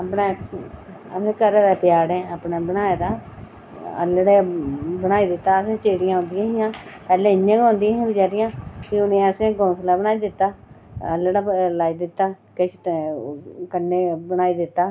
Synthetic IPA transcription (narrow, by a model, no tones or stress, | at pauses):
apneː | ə̰sẽːkəɾeːd̪ɛːpɪjaːɽɛ̃ːaːpneːbənaːeːd̪aː | ə̰lɽeːbənaːiːd̪ɪt̪ːaːəsẽːt͡ʃeːɽɪjãːɦõnd̪ɪjãːɦɪjãːpɛːlẽːɪɲãːɡɦõːnd̪ɪ̃ːãːbɪt͡ʃaːɾɪjãːkiʊnẽːəsẽːɡoːsəlaːbənaːiːd̪ɪt̪ːaː | ə̰lɽaːlaːiːd̪ɪt̪ːaː | kɪt͡ʃʰ | kənːeːbənaːiːd̪ɪt̪ːaː